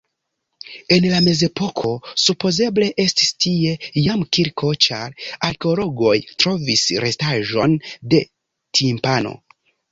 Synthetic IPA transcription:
e̞nlame̞ze̞po̞kʰo̞supo̞ze̞ble̞ʔe̞stistie̞jamkiɾkʰo̞t͡ʃaɾaɾkeo̞lo̞ɡo̞jtɾo̞visɾʔe̞staʒo̞nde̞ | tʰimpano̞̰

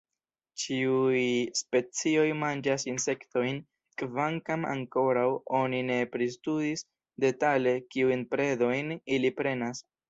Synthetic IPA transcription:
t͡ʃiujspe̞t͡sio̞jmand͡ʒasinse̞kto̞jn | kvaŋkama̰ŋko̞ɾawo̞nine̞pɾistudis | de̞tale̞kiujnpɾe̞do̞jnilipɾe̞nas

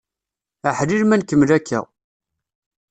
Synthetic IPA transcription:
əħliɾmænkəmːlækʰːæ̰

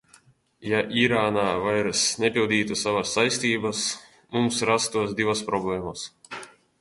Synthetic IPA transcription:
jaʔiɾaːnaːvajɾsnʲepʲilˠd̪ʲiːt̪usavasːajsʲt̪ʲiːbas | mumsɾast̪uɔsd̪ivaspɾɔblʲˠɛːmas

